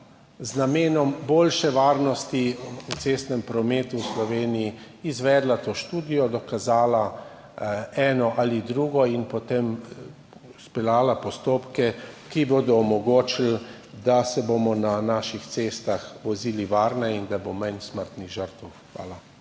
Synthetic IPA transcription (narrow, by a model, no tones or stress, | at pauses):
znameːnɔmboːlʃɛʋaːɾnɔst̪iut̪seːst̪nɛmpɾɔmeːt̪uwslɔʋeːniji | izʋɛːd̪lat̪oːʃt̪uːd̪ijɔd̪ɔkazaːla | ɛːnɔʔalid̪ɾuːɡɔinpɔt̪em | spɛlaːlapɔst̪oːpkɛkiboːd̪ɔːmɔɡoːt͡ʃil | d̪asɛbomɔnanaːʃixt̪seːst̪axʋɔziːliʋaːɾnɛind̪abomansməɾt̪niɣʒəɾt̪wxʋa̰ːla